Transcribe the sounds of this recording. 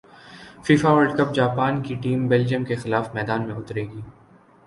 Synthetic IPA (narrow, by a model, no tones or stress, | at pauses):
fiːfaʋəɾɖkɐp̚d͡ʒaːpaːnkiʈiːmbɛːld͡ʒiəmkexɪlaːfmɛːd̪aːnmẽʊt̪ɾeːɡiː